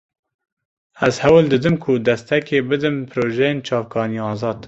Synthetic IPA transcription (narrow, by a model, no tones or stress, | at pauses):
ɛzhɛwɨld̪ɨd̪ɨmkʰʊd̪ɛst̪ʰɛkʲeːbɨd̪ɨmpʰɨɾoːʒɛjeːnt͡ʃʰɑːvkʰɑːnijɑːzɑːd̪